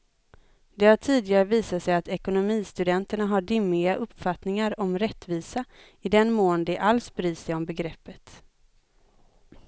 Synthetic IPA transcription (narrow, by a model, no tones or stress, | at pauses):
d̪ɛhaʈʰiːd̪ɪɡaɾəviːsat̪sɛjat̪ɛkʊnʊmiːst̪ɵd̪ɛnt̪əɳaɦaɖɪmːɪaʔɵpːfat̪nɪŋaɾɔmɾɛt̪ːviːsa | ɪd̪ɛnmoːnd̪ɛʔalsbɾiːsɛjɔmbɛɡɾɛpːət̪